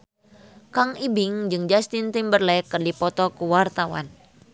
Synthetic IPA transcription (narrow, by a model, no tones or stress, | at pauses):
kaŋibiŋd͡ʒɨŋd͡ʒast̪int̪imbərlɛkːərdipɔt̪ɔkuwart̪awa̰n